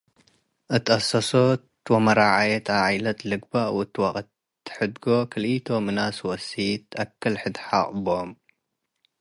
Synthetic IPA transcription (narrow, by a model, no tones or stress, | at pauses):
ʔɨt̪ʼɐsɐso | t̪ʰwomɐɾaʕajɛt̪ʰaʕajlɐt̪lɨɡ̚baʔwʊt̪ʰːɨwaχʼɐt̪ʰː | ɨ̥ħɨd̪ɡokʰɨlit̪ʰomɨnaswɔsit̪ɐkʰːɐlħɨd̪ħaʔʼbom